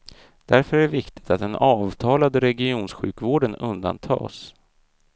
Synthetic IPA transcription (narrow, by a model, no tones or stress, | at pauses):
d̪̥æɾfœɾæɛvɪkt̪ɪ̥t̪at̪̚d̪ɛnʔɑːvt̪ʰɑːlad̪əɾɛɡɪuːnsɧʉ̟ːkvoːɖənɵ̰nd̪a̰nt̪ʰɑ̰ːs